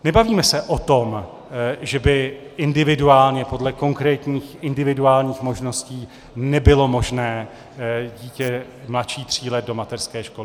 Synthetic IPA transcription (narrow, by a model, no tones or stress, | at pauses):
nɛbaviːmɛsɛʔot̪o̞m | ʒɛbɪʔɪndɪvɪduaːlɲɛpo̞dlɛko̞ŋkɾɛːt̪ɲiːxɪndɪvɪduaːlɲiːxmo̞ʒno̞sciː | nɛbɪlo̞mo̞ʒnɛː | ɟiːcɛ | mlat̪ʃiːt̪r̝̥iːlɛdo̞mat̪ɛrskɛːʃko̞lɪɪ